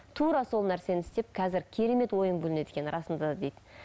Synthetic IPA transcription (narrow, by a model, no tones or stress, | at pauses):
t̪ʰuɾɑso̞lˠnæɾse̞nɪst̪e̞p̚kʰɑzɪɾkʲʰe̞ɾe̞me̞t̪wo̞jənbɵlɪne̞d̪ekʲe̞nɾɑsənd̪ɑd̪ɑd̪e̞jd̪̥ɪ